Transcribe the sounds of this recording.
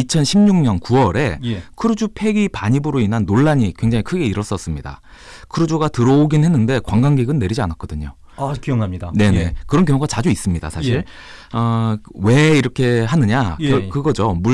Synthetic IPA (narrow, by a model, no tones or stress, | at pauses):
it͡ɕʰʌnɕʰimɲuŋɲʌnkuʌɾe̞jkʰɯɾud͡ʑupʰe̞ɡipaɲibɯɾoinɦanːoɭːaɲikwe̞ŋd͡ʑaŋikʰɯɡe̞iɾʌs͈ʌs͈ɯmɲida̰ | kʰɯɾud͡ʑoɡatɯɾʌoɡinɦe̞nːɯnde̞kwaŋɡaŋɡiɡɯnːe̞ɾid͡ʑianak͈̚ʌdɯɲo | akijʌŋamɲidane̞ne̞kɯɾʌnkjʌŋoɡat͡ɕad͡ʑuis͈ɯmɲida̰sʰaɕʰiɾ | ʌwe̞iɾʌkʰe̞ɦanɯɲakɯɡʌd͡ʑomu